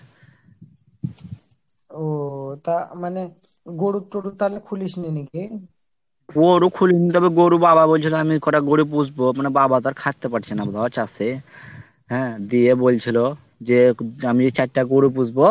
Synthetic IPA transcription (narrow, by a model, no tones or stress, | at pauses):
ot̪amane | ɡoɽuʈoɽut̪alekʰulisniniki | ɡoɾukʰulinit̪̬ɔbeɡoɾubaβabolt͡ɕʰiloamikɔɾaɡoɽup̬ud͡ʑʱbomanebabat̪aɾkʰaʈ̚t̪epaʈt͡ɕʰenabod̪ʱaat͡ɕase | ɦɛ̃d̪iebolt͡ɕʰilo | d͡ʑeamid͡ʑet͡ɕaʈːaɡoɽup̬ud͡ʑbo